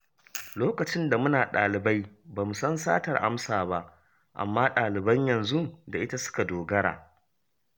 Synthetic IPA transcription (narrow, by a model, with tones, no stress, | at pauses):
loː˦kɐ˨t͡ʃɪ˦nda˨mʊ˦naː˨ɗaː˨lɪ˨ba˦jbaː˨mu˨sɐ˦nsa̰ː˦tɐ˨rʔa̰˦msaː˨ba˦ʔ | ʔa̰˨mːaː˦ɗaː˨lɪ˨bɐ˦ɲjɐ˨nzu˦da˨ʔɪ˦ta˦sʊ̥˦ka˨doː˨ɡɐ˦ɽa̰ː˨